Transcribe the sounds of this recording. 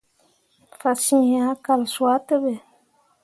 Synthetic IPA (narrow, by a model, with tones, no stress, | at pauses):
fa˨sĩ˦˨ha˨˦ka˨lswa˦tɨ˦bə˨